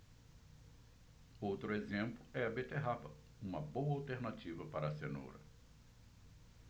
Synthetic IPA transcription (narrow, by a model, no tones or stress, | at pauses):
owt̪ɾʊezẽmplʊɛɐbet̪eɦapɐ | ũmɐbowɐawt̪eɾnat͡ʃivɐpaɾɐːseno̰ɾɐ̰